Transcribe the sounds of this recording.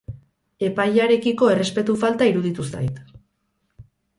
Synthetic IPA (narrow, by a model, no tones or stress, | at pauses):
e̞pajaɾe̞kiko̞e̞re̞spe̞t̪ufalt̪aiɾuð̞it̪usa̰jt̪